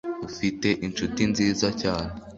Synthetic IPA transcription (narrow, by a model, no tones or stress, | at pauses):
ufite̞ʔint͡ʃutinziːzacaːne